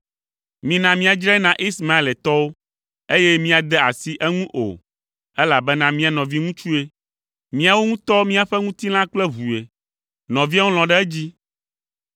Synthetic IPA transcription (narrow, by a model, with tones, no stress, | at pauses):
mĩ˨nã˨mĩ˦a˨d͡ʒɾɛ˦nã˨ʔi˦sma˦e˨lɛ˨t̪ɔ˦wo˦ | e˦jɛ˦mĩ˦a˨d̪ɛ˦a˨si˦ʔɛ˦ŋũ˦ʔo̰˨ | ɛ˦la˨bɛ˦nã˦mĩ˦a˨nɔ̃˨vi˦ŋũ˦t͡ʃu˦e˦ | mĩ˦a˨wo˦ŋũ˦t̪ɔ˦mĩ˦a˨ɸɛ˦ŋũ˦t̪i˦l̃ã˦k͡plɛ˦βu˨e˨ | nɔ̃˨vi˦a˦wo˦l̃ɔ̃˨ɖɛ˦ɛ˦d͡ʑi˦